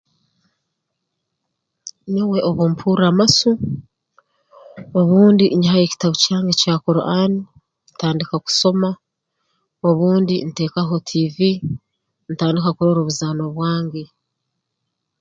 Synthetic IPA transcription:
nowe̞ʔoβompʰuːɾamasu | oβuːndiɲiɦajeci̥taβucaːŋɡecaːkoɾo̰ʔani | nitaːndikaku̥so̞ma | oβuːndinite̞ːkaɦo̞tʰivi | nitaːndikakuɾoɾuβuzano̞βwaːŋɟe

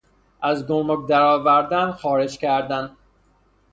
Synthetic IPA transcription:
ʔæzɡommokd̪æɾɒːvæɾd̪ænxɒːɾe̞d͡ʒcʲʰæɾd̪æn

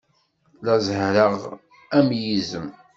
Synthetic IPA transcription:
læzhɾəʁ | æmjizəm

